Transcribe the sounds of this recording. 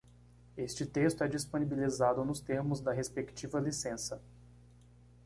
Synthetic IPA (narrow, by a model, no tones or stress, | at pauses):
est͡ʃɪt̪est̪ʊɛd͡ʒisponibilizad̪ʊnʊst̪eɾmʊzd̪ɐɦespekt͡ʃivɐlisẽsɐ